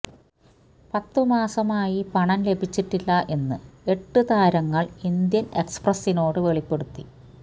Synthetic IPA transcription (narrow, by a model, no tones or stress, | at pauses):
pɐt̪ːɨmaːsɐmaːjipɐɳɐnle̞bʱit͡ɕːiʈːilːɐʔe̞nːɨe̞ʈːɨt̪aːɾɐŋːɐɭind̪jɐne̞ksprɐsːino̞ːɽɨʋe̞ɭipːe̞ɽut̪ːi